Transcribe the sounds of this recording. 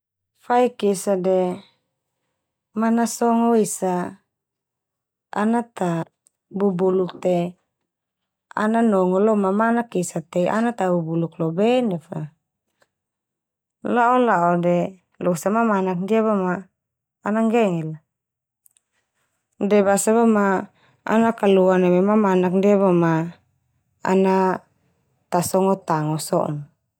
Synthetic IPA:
faikisadɛ | manasɔŋɔwisa | a̰nat̪a | bubuluk̚t̪e | a̰nanɔŋɔlɔmamanakisat̪eʔa̰nat̪abubuluklobɛnɛfa | laʔɔlaʔɔdɛ | lɔsamamanak̚ndiaβomaː | naŋɡɛŋɛl | dɛbasaβoma | a̰nakaluanemɛmamanak̚ndiaβoma | a̰na | t̪asɔŋɔt̪aŋɔsɔ̰ʔn

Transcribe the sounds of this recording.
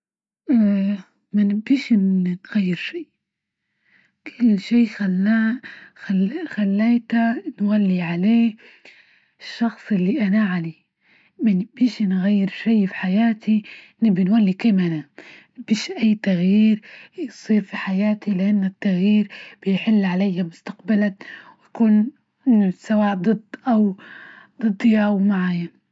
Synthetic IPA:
ʔ | manɪbiːʃnnɣajːɪɾʃiː | kʰʊlːʃiːxalːaaxalːeːt̪anwalːiʕaleː | ʃːɑxsˤɪlːiʔanaʕali | manɪbiːʃnɣajːɪɾʃiːfi̥ħajaːt̪i | nɪbinwalːikeːmana | b̥iːʃʔajːt̪aɣjiːɾjsˤiːɾfiħajaːt̪ilɪʔanːɪt̪ːaɣjiːɾb̥ɪjħɪlːʕalajːamʊst̪aqbalawjakuːn | sawaːʔd̪ˤɨd̪ˤʔawd̪̥ˤɨd̪ˤːjaːwmaʕaːja

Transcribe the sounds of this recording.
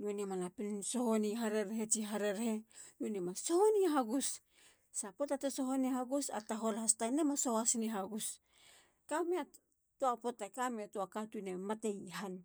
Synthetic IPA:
nuoniemanapininso̞honiɦaɾe̞ɾɦet͡ʃiɦaɾe̞ɾhe̞nuoniemasohoniɦaɡus | sapo̞tateso̞ɦonihaɡusa̰taɦo̞lhastanemasoasiniɦaɡus | kamea | tuapo̞takameatuakatune̞mate̞jhan

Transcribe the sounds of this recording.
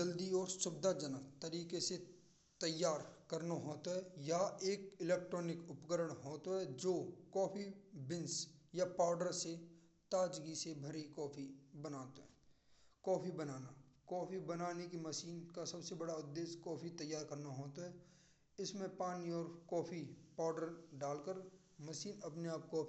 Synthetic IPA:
d͡ʒəld̪iɔːɾsʊbɪd̪ʱad͡ʒənat̪əɾiːkese | t̪əjːaːɾkəɾnaɦoːt̪aɦɛjaeːkɪleːk̚ʈɾɔːnɪkʊpɡəɾəɽ̃ɦoːt̪aɦɛd͡ʒoːkɔːpʰibɪnsjapaːʊɖəɾse | t̪aːd͡ʒɡisebʱəɾikɔːpʰibənaːt̪ɦ | kɔːpʰibənaːnakɔːpʰibənaːnekiməʃiːnkasɐbsebɐɽaʊd̪ːeːskɔːpʰit̪əjːaːɾkɐɾnaɦoːt̪aɦɛː | ɪsmẽpaːniɔːɾkɔːpʰipaːɖəɾɖaːlkəɾ | mɐʃiːnɐpneaːp̚kɔː

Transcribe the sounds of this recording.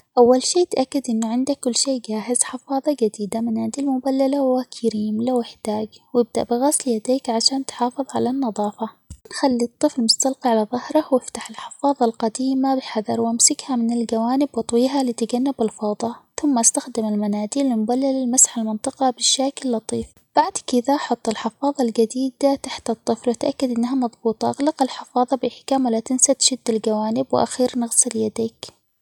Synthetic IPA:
ʔawːalʃeːt̪ʔakːad̪ʔɪnːʊʕɪnd̪akːʊlːʃeːd͡ʒaːɦɪz̥ħɪfɑːðˤɑd͡ʒad̪iːd̪amanaːd̪ilmʊbalːalawakʰaɾiːmlawɪħd̪̥aːɡwɪb̚d̪a̰ʔbɪɣasljad̪eːkʕaʃaːnt̪ħɑːfɨðˤʕa̰lanːɑðˤɑːfɑ | nxalːit̪ˤːɨflmʊst̪alqiʕalaðˤɑhɾˤɑwɪft̪aħɪlħɪ̥fɑːðˤɑlqɑd̪iːmabɪħad̪ɑɾˤwʔamsɪkhamɪnɪld͡ʒawaːnɪbwɨt̪ˤwiːɦalit̪ɪɡanːɪbɪlfɑːd̪ˤɑθʊmːaʔast̪axd̪ɪmalmanaːd̪ilːɪmʊbalːɪlɪlmasħalmɪnt̪ˤɨqɑbɪʃaːkɪlːɑt̪ˤiːf | b̥aʕd̪kɪðaħʊt̪ˤːɪlħɪfɑːðˤɑld͡ʒad̪iːd̪at̪aħt̪ɨt̪ˤːɨflwɪt̪ʔakːad̪ʔɪnːaɦamɑðˤbuːt̪ˤɑʔaɣlɑqɪlħɪfɑːðˤɑbɪħɪ̥kaːmwɪlat̪ɪnsat̪ʃɪd̪ːalɡawaːnɪbwɪʔa̰xiːɾnɪɣsɪljad̪iːk

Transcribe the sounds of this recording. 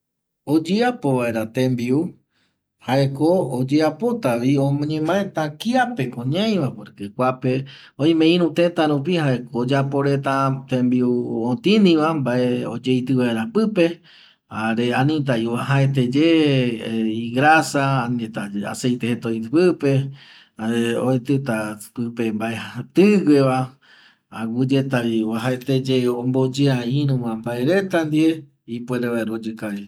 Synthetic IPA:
od͡ʒeapo̞βae̞ɾat̪ẽmbiu | haekoːd͡ʒeapo̞t̪aβiõmõɲẽmãẽt̪ãkiape̞kõɲãj̃ʋapoɾekekʷape̞õj̃mẽ̞ĩɾũt̪e̞t̪aɾup̬ihaekoːd͡ʒapo̞ɾe̞t̪ãt̪ẽmbiuõt̪ĩnĩʋãmbaʔeod͡ʒejt̪ɨʋaeɾapɨpe̞ | aɾeanĩt̪̬aiwaɦaet̪̬ed͡ʒe | iɡɾasaːnit̪aa̰sejt̪ehet̪ojt̪ɨpɨpe̞ | aɾeoet̪ɨt̪apɨpembaʔehat̪ɨɡʷeβa | aɡud͡ʒet̪aβiaɦaet̪ed͡ʒeombod͡ʒɨaĩɾũwãmbaeɾe̞t̪and̪ie | ipweɾeβaeɾod͡ʒɨkaɾi

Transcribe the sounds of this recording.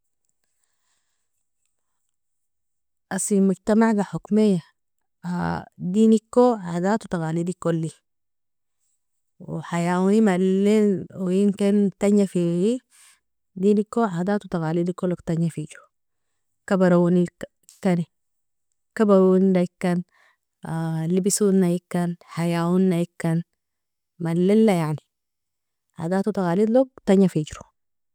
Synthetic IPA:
ʔasimuɟt̪amaʕɡaħukmijːa | ad̪inikːoʕad̪aːt̪ut̪aɣaːlid̪ikolːi | w̰ħajawunimalːinwjimkint̪aɲjafii | d̪inikːoʕad̪aːt̪ut̪aɣaːlid̪ikːoloɡt̪aɲjafiɟɾu | kabaɾawuni | kːani | kabaɾundaikːan | libisunːajikːanħajawunːajikːan | malːilːajaʕni | ʕa̰d̪aːt̪ut̪aɣaːlid̪loɡ̚t̪aɲjafid͡ʒɾu̥

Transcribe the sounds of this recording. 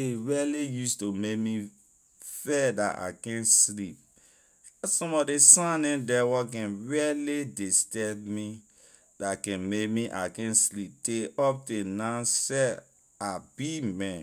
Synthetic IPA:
eɹilijustomek̚mi | fɛda̰ta̰kɛ̃nslip̚ | asɔ̃mɔdesãnɛ̃ndɛwɔk̬ɛ̃nɹiəlidestɛtmi | dakɛ̃nmekmiʔa̰kɛ̃nslip̚teɔp̚tenãsɛ | abimɛ̃

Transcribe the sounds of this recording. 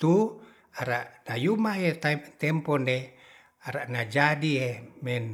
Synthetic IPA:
t̪u | aɾaʔnajumaɦet̪t̪ɛmpɔne | aɾaʔnad͡ʒadiemɛn

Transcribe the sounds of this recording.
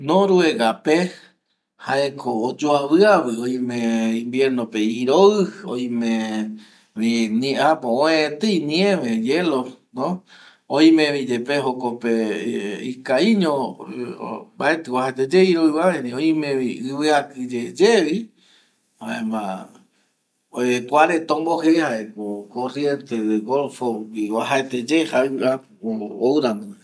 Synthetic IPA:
nõɾueɣape | haekʰoːd͡ʒoaβɨaβɨoĩmẽĩmbjeɾnõpeiɾoɨo̰j̃mẽ | βiniʔapoõẽt̪einĩẽmẽjelonõ | õĩmẽβid͡ʒepeɦokopeḭkaiɲõ | mbaet̪ɨwahaet̪ed͡ʒeiɾoiwaβẽɾioĩmẽβiɨβɨakɨd͡ʒed͡ʒeβi | haẽmã̰ | ekʷaɾet̪õmbohehaekokorjent̪eðeɣolfowiwaɦaet̪ed͡ʒehaɨap | oowɾand̪oe

